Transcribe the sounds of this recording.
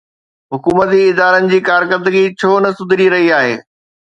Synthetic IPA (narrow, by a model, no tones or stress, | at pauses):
ɦʊkuːmət̪̬iɪd̪aːɾənɪ̆d͡ʑiːkaːɾkəɾd̪əɡit͡ɕʰoːnɐsʊd̪ʱɪɾiɾɐɦiaːɦḛː